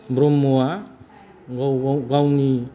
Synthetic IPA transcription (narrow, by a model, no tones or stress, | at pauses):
bɾomːoa | ɡoɡawni